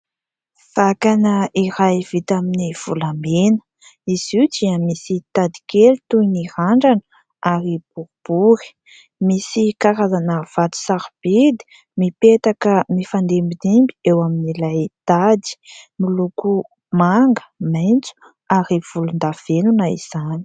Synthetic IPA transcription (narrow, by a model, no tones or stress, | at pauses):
v̥akanəʔiɾajv̥it̪aminiv̥ulamenə̥ | izud͡ʒiəmisit̪ad̪i̥kelut̪ujniɾaɳɖ͡ʐanə | aɾib̥uɾub̥uɾi̥ | misikaɾazanəv̥at̪u̥saɾb̥id̪i̥ | mipet̪akəmifand̪embid̪imbiewaminilajt̪ad̪i̥miluku | maŋɡə̥majnt͡su̥ | aɾiv̥ulund̪av̥enunaḭz̥ani̥